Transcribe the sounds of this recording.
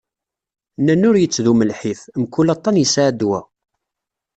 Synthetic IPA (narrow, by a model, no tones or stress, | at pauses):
nːænːʊɾjət͡sːðuməlħiθmkːulɑt̪ˤːɑnəsaʕd̪wæ̰